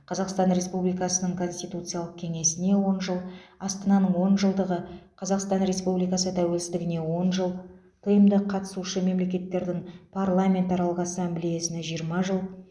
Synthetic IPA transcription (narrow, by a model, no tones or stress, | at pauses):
qʰɑzɑqst̪ɑnɾe̞spublijkɑsənəɴkʰo̞nsʲt̪ijt̪ut̪sɨjalˠəq̚kʲʰeŋe̞sɪne̞wo̞nʒəlˠɑst̪ənɑnəɴwo̞nʒəlˠd̪əʁəqʰɑzɑqst̪ɑnɾe̞spublijkɑsət̪ʰæwe̞lsɪzd̪ɪɡʲɪne̞wo̞nʒəlˠ | t̪ʰəjəmd̪əqʰːɑt̪ə̥suʃəme̞mle̞kʲe̞t̪ːe̞ɾd̪ɪŋpʰarlˠamʲe̞nt̪ɑɾɑlˠəqasɑmblʲijesɪneʒijəɾmɑʒəlˠ